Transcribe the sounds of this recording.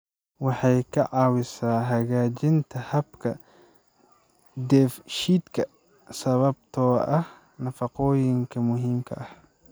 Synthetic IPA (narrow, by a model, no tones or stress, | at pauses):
wɑħɑjkʰɐʕɑːwɪsaːɦɐɣaːt͡ʃɪnt̪ʰɐhɐbkʰɐ | d̪ɛːfʃiːd̪kʰɐ | sɐβɐb̚t̪ʰɔːʔɐh | nɐfɑqɔːjɪŋkʰɐmʊɦiːmkʰɐ̰ʔɐh